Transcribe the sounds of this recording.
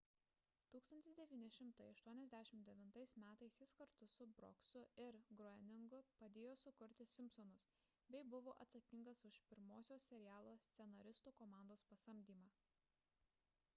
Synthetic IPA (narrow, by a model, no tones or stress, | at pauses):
t̪uːkst̪ɐnt̪ʲɪsd̪ʲɛʋʲiːnʲɪʃʲɪmt̪ɐɪɐʃt̪uɔnʲɛzʲd̪ʲæʃʲɪmd̪ʲɛʋʲɪnt̪ɐɪsmʲæːt̪ɐɪsʲjʲɛɪskɐɾt̪ʊsʊbɾɔ̰ksʊɪɾɡɾɔɛnʲɪŋɡʊpɐd̪ʲeːjoːsʊkʊɾʲt̪ʲɪsʲɪmʲpsɔnʊs | bʲɛɪbʊʋoːʔɐt̪sɐkʲɪŋɡɐsʊʃpʲɪɾmoːsʲoːsʲɛɾʲɪjæːlˠoːsʲt̪sʲɛnɐɾʲɪst̪uːkɔmɑˑnd̪oːspɐsɐmʲd̪ʲiːmɑː